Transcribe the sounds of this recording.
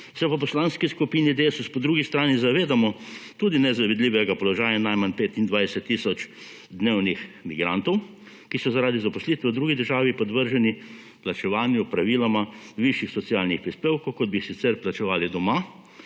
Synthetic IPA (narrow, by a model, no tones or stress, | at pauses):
sɛpap̬ɔslanskiskupiːnid̪esuspɔd̪ɾuɡist̪ɾaːnizaʋeːd̪amɔt̪uːd̪inɛzaʋid̪liːʋɛɡapɔlɔʒaːjanajmanpeːt̪ind̪ʋajsɛt̪ːisɔt͡ʃ | d̪neːwnixmiɡɾant̪ɔw | kisɔzaɾaːd̪izapɔslit̪ʋɛwd̪ɾuɡid̪əɾʒaːʋipɔd̪ʋəɾʒɛni | plat͡ʃɛʋaːnjupɾaʋiːlamaʋiʃjixsɔt̪sialnixpɾispeːwkɔwkɔd̪̚bisit̪sɛɾplat͡ʃɛʋaːlid̪ɔma